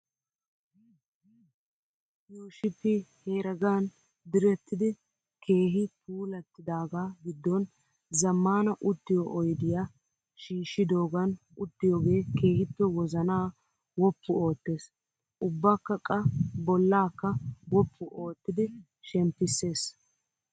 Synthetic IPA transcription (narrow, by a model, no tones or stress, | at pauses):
juːʃɪpːɪhe̞ːɾɐɡaːn | d̪ɪɾɛt̪ːɪd̪ɪ | kʰe̞ːɦɪpʰuːlɐt̪ːɪd̪aːɡaːɡɪd̪ːɔn | zɐmːaːnɐʔʊt̪ːɪjɔʔɔjd̪ɪja | ʃiːʃːɪd̪o̞ːɡɐn | ʊt̪ːɪjoːɡe̞ːke̞ːhɪt̪ːɔwɔzɐnaː | wɔpːʊo̞ːt̪ːeːs | ʔʊbːaːkːɐkʼːɐbɔlːaːkːɐwɔpʰːʊʔo̞ːt̪ːɪd̪ɪ | ʃɛmpːɪsːe̞ːs